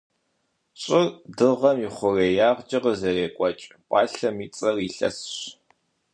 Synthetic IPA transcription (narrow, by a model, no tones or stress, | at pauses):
ɕʼɪrdɨʁɐmiχʷʊreːjaːʁd͡ʒʼɪʁəzɐreːkʷʼɔt͡ʃʼ | pʼɑːɬɐmiːt͡sʼɐriɬɐ̰sɕ